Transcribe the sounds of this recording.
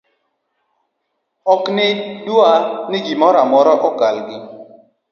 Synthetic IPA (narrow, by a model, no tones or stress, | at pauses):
ɔknɪduanɪɡimɔɾamɔɾɔʔɔkalɡɪ